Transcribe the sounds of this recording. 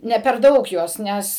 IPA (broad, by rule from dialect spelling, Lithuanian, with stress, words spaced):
ˈnʲɛ pʲɛr ˈdɐʊk ˈjuɔs ˈnʲɛs